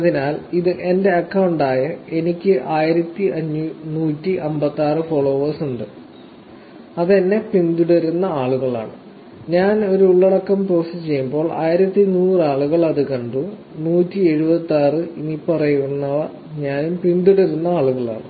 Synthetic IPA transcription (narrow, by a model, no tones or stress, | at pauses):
ɐðinaːliðɨʔe̞nde̞ɐkːɐwɳɖaːjɐe̞nikʲːɨʔaːjiɾɐt̪ːiʔɐɲːunuːtːiʔɐmbɐt̪ːaːrɨfoɭo̞ːʋɐsuɳɖɨ | ɐðenːe̞pind̪uɽɐɾunːɐaːɭuɣɐɭa̰ːɳɨ | ɲaːno̞ɾuuɭːɐɽɐkːɐmpro̞ːsɐt͡ɕe̞jːumbo̞ːɭʔa̰ːjiɾɐt̪ːinuːraːɭuɣɐɭɐðɨkɐɳɖu | nuːtːie̞ɻubɐt̪ːaːrɨinipɐrɐjunːɐʋɐ | ɲaːnumpind̪uɽɐɾunːɐaːɭuɣɐɭa̰ːɳɨ